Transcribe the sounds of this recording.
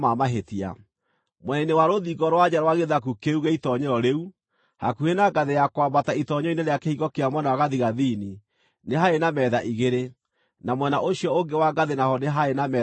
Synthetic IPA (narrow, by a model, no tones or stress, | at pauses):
mamaɦetia̰ | mwɛnainewaɾoðiɡɔɾwad͡ʑaɾawaɣeðakukeuɣeitɔɲɛɔɾeu | ha̰kuhenaɡaðejakwabataitɔɲɔineɾeakehiɣɔkeamwɛnawaɣaðiɣaðini | neɦaenamɛðaʔiɣeɾe | namwɛnaʔoɕiɔoŋɡewaɡaðenahɔneɦaenamɛ